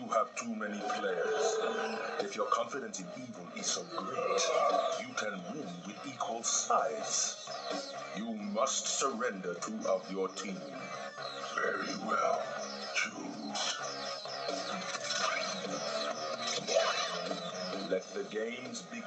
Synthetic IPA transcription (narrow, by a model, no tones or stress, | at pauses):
juəv̥tʰumɛnipʰl̥eɪə˞z̥ | ɨfjə˞kʰɑ̃ɱfɨɾɨ̃nsɨ̃nivə̃nɪz̥soʊɡo | jɨkʰɨ̃nwũnwɪðikʰwəlˠsaɪz̥ | jumʌstsəɹɛ̃ndə˞tʰuʔatjə˞tʰĩm | vɛɹiwɛ̰lˠ | t͡ʃʰu̥ | lɛt̪̚ðɨɡẽɪ̃mzbi